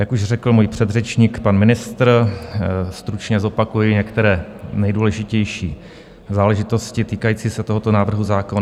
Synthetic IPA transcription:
jakuʃr̝ɛkl̩muːjpr̝̥ɛd̪rɛt͡ʃɲiːkpanmɪnɪst̪ɾ | st̪ɾut͡ʃɲɛzo̞pakujɪɲɛkt̪ɛɾɛːnɛjduːlɛʒɪcɛjʃḭː | zaːlɛʒɪt̪o̞scɪt̪iːkajiːt͡siːsɛt̪oɦo̞t̪onaːvr̩ɦuzaːko̞n

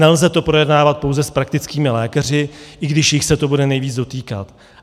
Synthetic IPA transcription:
ɛlzɛt̪o̞pɾo̞jɛdnaːvat̪̚powzɛspɾak̚t̪ɪt͡skiːmɪlɛːkar̝ɪʔɪɡdɪʃjɪxsɛt̪o̞budɛnɛjviːd͡zdo̞t̪iːka̰t̪

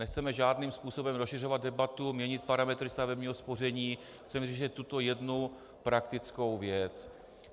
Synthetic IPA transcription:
nɛxt͡sɛmɛʒaːdniːmspuːso̞bɛmɾosʃɪr̝o̞vad̪̚dɛbat̪umɲɛɲɪt̪̚paɾamɛt̪ɾɪst̪avɛbɲiːɦospo̞r̝ɛɲiː | xt͡sɛmriʒɛt̪ːut̪ojɛdnu | pɾakt̪ɪt͡skowvjɛt͡s

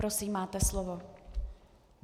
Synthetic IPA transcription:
ɾosiːmːaːt̪ɛslovo

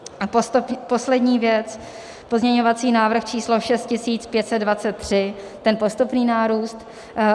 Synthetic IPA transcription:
post̪ppo̞slɛdɲiːvjɛt͡s | po̞zɲɛɲo̞vat͡siːnaːvɾr̩xt͡ʃiːslo̞ʃɛst̪̚cɪsiːt͡spjɛt̪sɛd̪dvat̪t͡sɛt̪̚ːr̝̥ɪ | t̪ɛnpost̪upniːnaːɾuːst̪

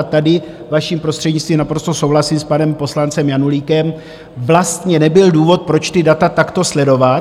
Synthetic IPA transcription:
t̪adɪ | vaʃiːmpɾo̞st̪r̥ɛdɲɪtt͡st̪viːmnapɾo̞st̪o̞so̞wɦlasiːspanɛmpo̞slant͡sɛmjanuliːkɛm | vlast̪ɲɛnɛbɪlduːvo̞t̪̚pɾo̞t͡ʃt̪ɪdat̪at̪akt̪o̞slɛdo̞va

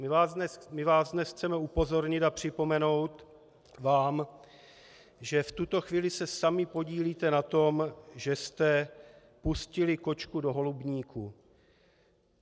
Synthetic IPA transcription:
mɪvaːzɛmɪvaːzdnɛsxt͡sɛmɛupo̞zo̞ɾɲɪt̪apr̥ɪpo̞mɛno̞wt̪ | vaːm | ʒɛft̪ut̪o̞xviːlɪsɛsamɪpo̞ɟiːliːt̪ɛnat̪o̞mʒɛst̪ɛ | puscɪlɪko̞t͡ʃkudo̞ɦo̞lubɲiːku

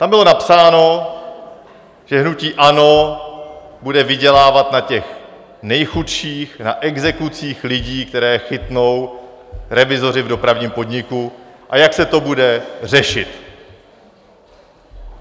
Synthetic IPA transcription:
t̪ambɪlo̞napsaːno̞ | ʒ̥ɛɦnuciːʔano̞ | budɛvɪɟɛlaːvat̪nacɛx | nɛjxutʃiːxna̰ʔɛɡzɛkut͡siːxlɪɟiːk̚t̪ɛɾɛːxɪt̪no̞w | ɾɛvɪzo̞ɾɪvdo̞pɾavɲiːmpo̞dɲɪkuʔajaksɛt̪o̞budɛr̝ɛʃɪt̪

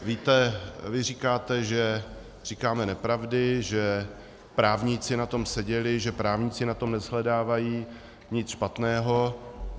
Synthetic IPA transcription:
viːt̪ɛvɪr̝ikaːt̪ɛʒɛ | r̥iːkaːmɛnɛpɾavdɪʒɛ | pɾaːvɲit͡sɪnat̪o̞msɛɟɛlɪʒɛpɾaːvɲiːt͡sɪnat̪o̞mnɛzɦlɛdaːvajiː | ɲɪt͡sʃpat̪nɛːɦo̞

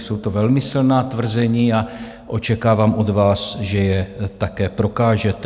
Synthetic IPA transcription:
so̞wt̪ovɛlmɪsɪlnaːt̪vr̩zɛɲiːa | ʔo̞t͡ʃɛkaːvaːmʔo̞d̪vaːsʒɛjɛt̪akɛːpɾo̞kaːʒɛt̪

